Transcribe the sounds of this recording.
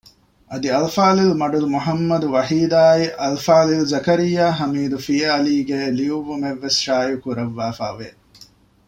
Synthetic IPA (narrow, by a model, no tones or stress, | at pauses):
ʔɐd̪iɐlfaːlilmɐɖulumuɦɐmːɐd̪uʋɐɦiːd̪aːiʔɐlfaːlilzɐkɐɾijːaːɦɐmiːd̪ufijɐɐliːɡeːliuʋːumeʋːesʃaːjukuɾɐʋːaːfa̰ːʋe